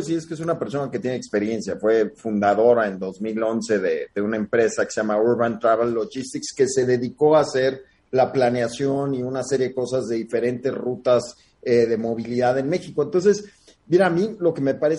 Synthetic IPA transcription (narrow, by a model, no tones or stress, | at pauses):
s̬ieskees̬unape̞ɾs̬o̞nake̞t̪je̞nekspe̞ɾje̞nsjafwe̞fund̪aðo̞ɾae̞nd̪o̞zmilo̞nse̞ðeðe̞unaempɾe̞sake̥seamauɾβant̪ɾaβalːoʝist̪ikske̞se̞ðe̞ðiko̞ase̞ɾ | laplaneasjo̞niunase̞ɾje̞ðeko̞sazðe̞ðife̞ɾe̞nt̪e̞zrut̪az | eðe̞mo̞β̞iliðaðe̞nme̞xiko̞ent̪o̞ns̬e̞s | biɾaːmĩlo̞ke̞me̞paɾe